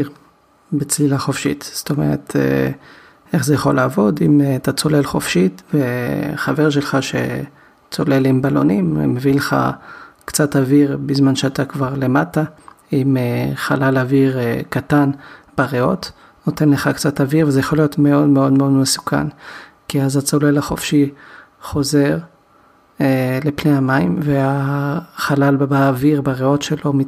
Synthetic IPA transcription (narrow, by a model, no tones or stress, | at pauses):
bet͡slilaχofʃḭtst̪o̞mḛʁet̪ʰḛ | eχzejaχo̞laːvo̞dimatat͡so̞le̞lχo̞fʃitveχave̞ʁʃ̬elχaʃe̞̰ | t͡so̞le̞limbalo̞̰nimḛmevile̞χa̰kt͡sataviʁbizmanʃeatakvaʁle̞mataimeχa̰lalaviʁkatanb̥aʁeo̞̰t | no̞te̞nle̞χakt͡sataviʁvezejaχo̞lijo̞tmeo̞dmeo̞dmo̞dmesu̥ka̰n | kiazat͡so̞le̞laχo̞̰fʃi | χo̞ze̞ʁ | ele̞pneamaimveaχalalbaːviʁbaʁeo̞tʃelo̞mi